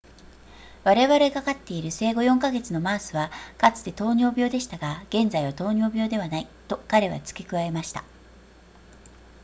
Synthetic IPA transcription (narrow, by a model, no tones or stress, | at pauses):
βaɾe̞βaɾe̞kakat̪ːe̞iɾɯ̟se̞ːɡo̞jõ̞ŋkaɡe̞t͡sɨno̞maːsɨβakat͡sɨ̥t̪e̞t̪o̞ːɲ̟o̞ːbʲjo̞ːd̪e̞ɕi̥t̪aɡaɡ̥ẽ̞nd͡zaiβat̪o̞ːɲʲo̞ːbʲjo̞ːd̪e̞βanait̪o̞kaɾe̞βa̰t͡sɨ̥kʲekɯ̟βae̞maɕi̥t̪a